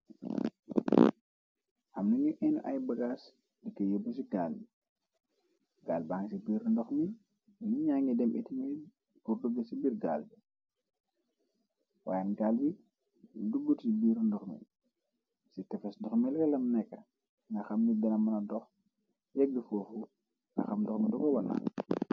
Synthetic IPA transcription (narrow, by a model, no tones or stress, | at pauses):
ʔɐmnɐɲuʔɛnṵʔɐjbɐɡaːs | dikːəjɔbus̬iɡaːlbi | ɡaːlbaːŋɡsibiːɾndɔxmi | niɲaːŋidɛmʔɛ̰timi | burduɡɐsibiːrɡa̰ːlbi | wa̰ːjanɡaːlbi | duɡutsibiːɾndɔxmḭ | sitɛfɛsdɔxmilɛlɐmnɛkːɐ | ŋɡɐxɐmnidɐnɐmːɐnɐdɔx | jɛɡəfɔːfu | ŋɡɐ̰xɐmdɔxmidɔɡɔwɐna̰ːn